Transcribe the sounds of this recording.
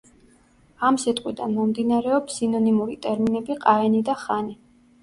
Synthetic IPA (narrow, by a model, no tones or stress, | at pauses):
amsit̪ʼqʼwid̪anmɔmd̪inaɾɛɔpsinɔnimuɾit̪ʼɛɾminɛbiqʼaɛnid̪aχani